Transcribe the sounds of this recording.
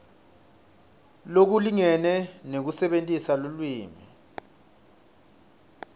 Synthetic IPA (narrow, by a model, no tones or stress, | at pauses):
lok̬uliŋɛnɛnek̬usɛɓentʼisalolwiːmi